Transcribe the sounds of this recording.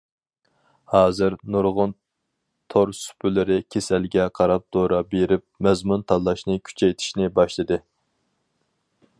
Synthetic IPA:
hɑːzɨɾnuɾʁʊn | t̪ʰoɾsy̥pʰylɪɾɪkʲʰesɛlɡʲɛqʰɑɾɑp̚d̪̥oɾɑbeɾɪp̚mɛzmunt̪ʰɑlˠːɑʃnɨkʲʰy̥t͡ʃʰɛjt̪ʰi̥ʃnɪbɑʃlˠɨd̪ɨ

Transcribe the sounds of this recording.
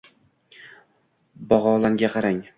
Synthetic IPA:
bɒʁɒlˠaŋɡʲaqʰɑɾaŋ

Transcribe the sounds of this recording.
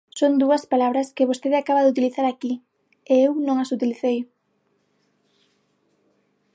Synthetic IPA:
sond̪uɐspalaβɾɐskɪβost̪eðɪakaβaðɪut̪iliθaɾaki | eewnõŋɐsut̪iliθej

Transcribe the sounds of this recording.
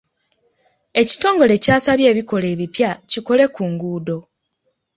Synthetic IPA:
e̞ci̥to̞ːŋɡo̞le̞caːsaβje̞ːβiko̞le̞ːβipjaciko̞le̞kuŋɡuːdo̞

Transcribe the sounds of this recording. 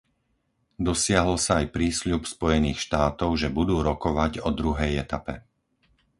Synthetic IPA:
d̪ɔsɪaɦɔlsaːjpɾiːsʎupspɔjɛniːxʃt̪aːt̪ɔʊʒɛbud̪uːɾɔkɔʋaɟɔd̪ɾuɦɛjɛt̪apɛ̰

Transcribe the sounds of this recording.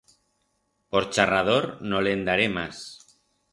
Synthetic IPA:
poɾt͡ʃarað̞oɾnolend̪aɾemas

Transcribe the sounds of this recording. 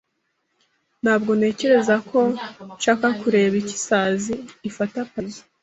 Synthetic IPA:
n̥haːb̚ɡo̞ne̞ːce̞ɾe̞zakʰo̞nʃaːkakuɾe̞βici̥saziːfatapazḁ

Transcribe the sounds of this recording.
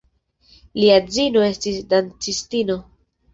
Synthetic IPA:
liad͡zino̞e̞stisdant͡sistino̞

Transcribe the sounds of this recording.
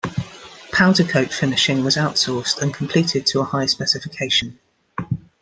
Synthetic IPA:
pʰãʊtəkʰəʊtfɪnɪʃɪ̃ŋwɒzaʊtsɔˑstə̃nkʰə̃mpʰl̥iˑtʰɪd̚tʰəəhaɪəspɛsɪfɪkʰeɪʃə̃n

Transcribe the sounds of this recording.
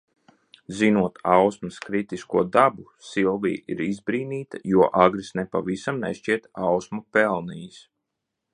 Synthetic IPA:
zinuɔt̪awsmaskɾit̪iskuɔd̪abu | silˠvḭːḭɾizbɾiːniːt̪ajuɔʔaɡɾisnepa̰visamnɛ̰ʃt͡ʃiɛt̪awsmapɛlˠnijis

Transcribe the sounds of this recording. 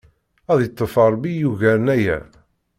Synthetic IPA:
æðjt̪ˤːəfɑɾˤbijuʝæɾənæjæ̰

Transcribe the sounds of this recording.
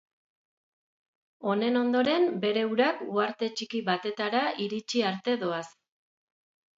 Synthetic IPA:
o̞ne̞no̞nd̪o̞ɾe̞mbe̞ɾe̞uɾakuaɾt̪e̞t͡ʃikiβat̪e̞t̪aɾaʔiɾit͡ʃiaɾt̪e̞ðo̞as

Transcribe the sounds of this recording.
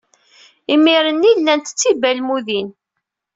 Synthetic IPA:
imiɾənːilːænt̪ə̥t͡sːibælmuðin

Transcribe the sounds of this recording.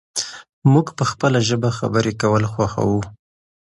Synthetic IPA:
muɡpəxpəlaʒəbaxa̰bəɾekawəlxwaxa̰wu

